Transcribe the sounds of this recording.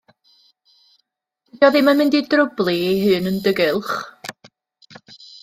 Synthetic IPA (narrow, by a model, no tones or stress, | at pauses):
jɔðɪmamɪndidrʊblˠieɦɨːnəndəɡɪlˠχ